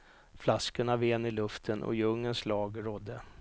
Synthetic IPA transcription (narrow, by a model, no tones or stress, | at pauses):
flaskəɳaveːnɪlɵft̪ʰənʔɔ̰jɵŋːənslɑːɡɾɔd̪ːə